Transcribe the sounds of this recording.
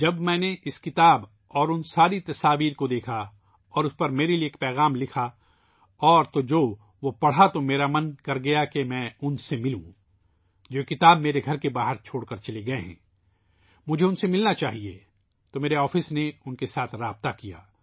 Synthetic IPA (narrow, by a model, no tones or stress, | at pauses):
d͡ʒɐbmɛ̃ːneʔɪskɪt̪aːb | ɔːɾʊnsaːɾit̪ɐsaːʋiːɾkod̪eːkʰa | ɔːɾʊspɐɾmeːɾelieːk̚pɛːɣaːmlɪkʰa | ɔːɾt̪od͡ʒoː | ʋopɐɽ̤at̪omeːɾamɐnkɐɾɡɐjakemɛ̃ːʊnsemɪlṵ̃ | d͡ʒoːkɪt̪aːbmeːɾeɡʱɐɾkebaːɦəɾt͡ʃʰoːɽkɐɾt͡ʃɐleɡɐeɦɛ̰̃ː | mʊd͡ʒʱeʊnsemɪlnat͡ʃaːɦie | t̪omeːɾeɔːfɪsneʊnkesaːt̪ʰɾaːb̚t̪akija̰ː